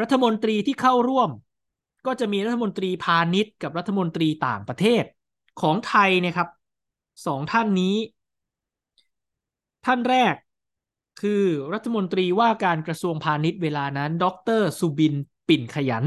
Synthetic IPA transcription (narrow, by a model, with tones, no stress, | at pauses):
ɾa˦˥t̪ʰːa˧mo˧nt̪ɾiː˧t̪ʰiː˥˩kʰa˥˩wɾu˥˩əm | kɔː˥˩t͡ɕa˨˩ʔmiː˧ɾa˥t̪ʰːa˧mo˧nt̪ɾiː˧pʰaː˧ni˦˥t̪̚ka˨˩p̚ɾa˦˥t̪ʰːa˧mo˧nt̪ɾiː˧t̪a̰ː˨˩ŋpɾa˧t̪ʰeː˥˩t̪̚ | kʰɔː˩˦ŋt̪ʰa˧jni˥˩ɐkʰa˦˥p̚ | sɔː˩˦ŋt̪ʰa˥˩nːiː˦˥ | t̪ʰa˥˩nɾɛː˥˩kʰː | ɯː˧ɾa˦˥t̪ʰːa˧mo˧nt̪ɾiː˧waː˥˩kaː˧nkɾa˧su˧əŋpʰaː˧ni˦˥t̪̚weː˧laː˧na˦˥ndɔ˦˥k̚t̪ɤː˥˩suː˧bi˧npi˨˩nkʰa˧ja̰˩˦n